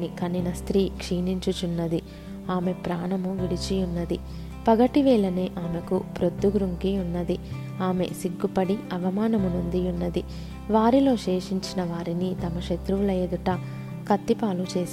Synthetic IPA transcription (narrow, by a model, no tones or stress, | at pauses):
nikɐnːinɐst̪ɾiːkʂiːniɲt͡ʃut͡ʃunːɐd̪i | aːme̞pɾaːɳɐmuʋiɽit͡ʃijunːɐd̪i | pɐɡɐʈiʋɛːlɐneːʔaːme̞kupɾod̪ːuɡɾuŋkiunːɐd̪i | aːme̞̰siɡːupɐɽiɐʋɐmaːnɐmunund̪iunːɐd̪i | ʋaːɾilo̞ːʃeːʂiɲt͡ʃinɐʋaːɾinit̪ɐmɐʃet̪ɾuʋulɐeːd̪uʈɐ | kɐt̪ːipaːlut͡ʃe̞ːs